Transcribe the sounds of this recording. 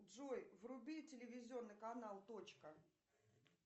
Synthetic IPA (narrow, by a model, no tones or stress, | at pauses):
ʐojvrʊbʲitʲɪlʲɪvʲɪzʲɪo̞nːɨjkɐnalˠt̪ot͡ɕkə